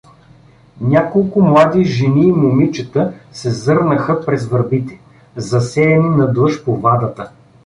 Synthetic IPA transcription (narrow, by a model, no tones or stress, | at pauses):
nʲakolˠkʊmlˠad̪iʒɛniːmomit͡ʃət̪əsɛzɤɾnəxəpɾɛzvɐɾbit̪ɛ̥ | zɐsɛɛninɐd̪lˠɤʃpovad̪ɐt̪ə